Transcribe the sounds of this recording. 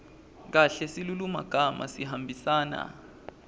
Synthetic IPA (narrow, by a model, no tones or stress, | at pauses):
k̬aɬɛsiluluma̰ɡ̥ʱamʔa̰siɦambʱisaːna̰